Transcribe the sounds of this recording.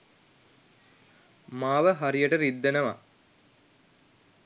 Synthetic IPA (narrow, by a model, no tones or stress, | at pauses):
maːʋəɦaɾijəʈəɾid̪ːenəʋa̰